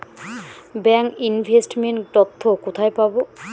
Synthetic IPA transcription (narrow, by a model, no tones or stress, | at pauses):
bɛŋkinbʱesʈmenʈtɔt̪ʰːokot̪ʰajpabɔ